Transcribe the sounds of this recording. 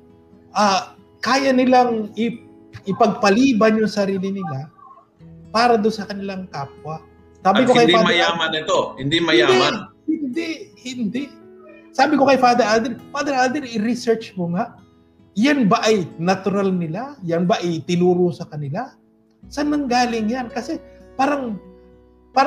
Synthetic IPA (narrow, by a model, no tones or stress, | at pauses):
ʔa | kaːjɐnɪlaŋɪ | ʔɪpɐɡ̚pɐliːbɐnjʊŋsɐɾiːlɪnɪŋa | paːɾɐd̪onsɐkɐnɪlaŋkaːp̚wɐ | saːbɪkokɐjamɐaːmɐnɛt̪ohɪnd̪imɐjaːd̪ɛmahɪnd̪ɛʔhɪnd̪ɛʔ | saːbɪko̞kɐjfaːd̪ɛɾʔald̪ɛɾfaːd̪ɛɾʔald̪ɛɾɪɾɪsɛɹt͡ʃmoŋaʔ | janbaʔɐjnɐt̪ʊɾalnɪlajanbaʔɐjt̪ɪnuːɾosɐkɐnɪla | sɐnɐŋɡaːlɪŋjankɐsɛpaːɾɐŋ | paː